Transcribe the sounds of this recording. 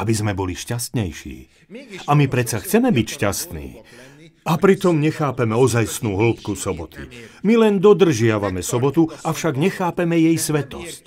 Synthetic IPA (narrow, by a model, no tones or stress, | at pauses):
abizmɛbɔliʃcast̪ɲɛjʃḭː | amipɾɛt͡saxt͡sɛmɛbicʃcast̪nḭː | apɾit̪ɔmɲɛxaːpɛmɛɔzajsnuːɦl̩pkusɔbɔt̪ʰḭmilɛnd̪ɔd̪r̩ʒɪaʋamɛsɔbɔt̪uafʃaɡɲɛxaːpɛmɛjɛjsʋɛt̪ɔ̰sc